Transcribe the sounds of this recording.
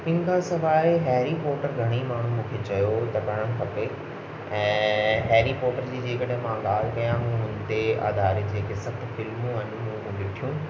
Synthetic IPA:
ɪnɪ̆kʰãsɐʋaːiɦɛːɾipɔːɾʈəɾɡʱɐɽ̃imaːɳ̤umũːkʰet͡ɕɐjot̪ɐkɐɽəɽ̃̆kʰɐpe | ɛ̃ːɦɛːɾipɔːɾʈəɾd͡ʑiːd͡ʑeːkəɽəɦmãɠaːl̤kɐjãɦũːɦʊnt̪ea̰ːd̪ʱaːɾed͡ʑeːkesɐbt̪fɪlmũɐɲũmũmũɗɪʈʰijũː

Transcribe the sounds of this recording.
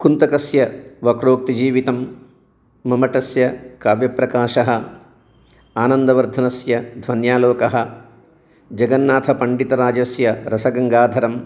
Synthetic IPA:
kunt̪ɐkɐsjɐʋɐkɾoːk̚t̪id͡ʒiːʋit̪ɐmː | ɐmɐʈɐsjɐkaːʋjɐpɾɐkaːʃɐɦɐ̆ | aːnɐnd̪ɐʋɐɾd̪ʱɐnɐsjɐd̪ʱʋɐnjaːloːkɐɦɐ̆ | d͡ʒɐɡɐnːaːt̪ʰɐpɐɳɖit̪ɐɾaːd͡ʒɐsjɐɾɐsɐɡɐŋɡaːd̪ʱɐɾɐm

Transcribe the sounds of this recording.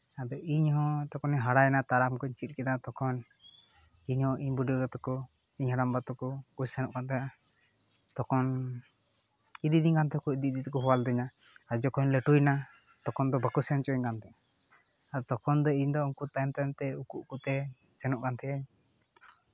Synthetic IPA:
ad̪ɔiɲɦɔ̃t̪ɔkɔniɦaɽajnat̪aɾamkɔiɲt͡ʃit̪̚ˀkɛd̪at̪ɔkʰɔn | iɲhɔ̃ʔiɲbuɖiɔɡɔt̪ɔkɔ | iɲɦaɽambat̪ɔkɔkujsɛnɔʔkant̪ʰɛja | t̪ɔkɔn | id̪id̪iɲkant̪ʰɛkɔid̪id̪it̪ɔkɔɦɔwald̪ɛɲaad͡ʒɔkɔɲlɛʈujna | t̪ɔkɔnd̪ɔbakusɛnt͡ʃɔɲkant̪ɛ | ad̪ɔt̪ɔkɔnd̪ɔiɲd̪ɔumkut̪ajmt̪amt̪ɛukuʔkut̪ɛ | sɛnɔʔkant̪ʰɛjaɲ

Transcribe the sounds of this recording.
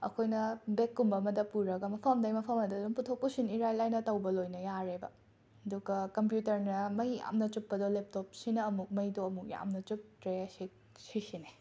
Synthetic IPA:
ɐ̰kʰojnɐbekːumbɐmɐdɐpuɾɐɡɐmɐpʰɐmdɐjmɐpʰɐmɐdoduŋputʰok̚pusiniɾajlajnɐtɐwbɐlojnɐjaɾebɐ̰ | ɐduɡɐkɐmp̬jutɐɾnɐmɐja̰mnɐt͡ʃupːɐdolep̚top̚sinɐːmuk̚mɐjdoɐmuk̚ja̰mnɐt͡ʃup̚tɾeɐsi | sisine

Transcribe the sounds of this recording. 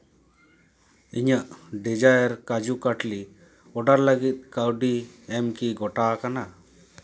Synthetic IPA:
iɲəʔɖid͡ʒajəɾkad͡ʒukaʈli | ɔɖaɾləɡit̪̚ˀkawɖiɛmkiɡɔʈakana

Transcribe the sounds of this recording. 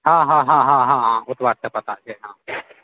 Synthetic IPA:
ɦãːɦãːɦãɦãɦãɦãʊt̪ʋaːʈ̚t̪əpɐt̪ad͡ʒeɦãː

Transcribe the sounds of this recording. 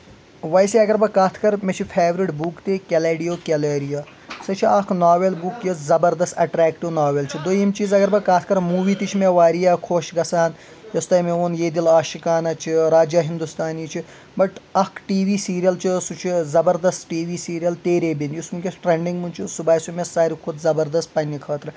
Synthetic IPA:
ʋɐjsiɐɡɐɾbɐkaːt̪ʰkɐɾmet͡ʃʰipʰeːʋɾiʈbukt̪ekʲeleːɖijoːkeleːɾija | sɐt͡ʃʰiɐkʰnaːʋelbukjɐszɐbɐɾd̪ɐst̪ɐʈɾɛːkʈiʋnaːʋelt͡ʃʰid̪ojimt͡ʃiːzɐɡɐɾbɐkaːt̪ʰkɐɾmuːʋiːt̪it͡ʃʰimeʋaːɾijaːkʰoːʃɡɐsaːn | jɐst̪ɐmeoːnjeːd̪ilaːʃikaːnɐt͡ʃʰiɾaːd͡ʒjɐɦind̪ust̪aːniːt͡ʃʰi | bɐʈɐkʰʈiːʋiːsiːɾijɐlt͡ʃʰisut͡ʃʰizɐbɐɾd̪ɐst̪ʈiːʋiːsiːɾijɐlt̪eːɾeːbinjusmukʲesʈɾeɳɖiŋɡmunt͡ʃʰisubaːjsumesaːɾikʰud̪zɐbɐɾd̪ɐst̪̚pɐnʲːikʰɐːt̪ɾɨ

